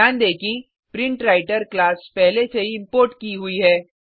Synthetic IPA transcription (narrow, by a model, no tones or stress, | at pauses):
aːnd̪eːkʰĩ | pɾɪ̃ɳʈɾaːɪʈəɾklaːspɛɦleseiɪ̃mpoːɾʈkiɦʊiɦɛː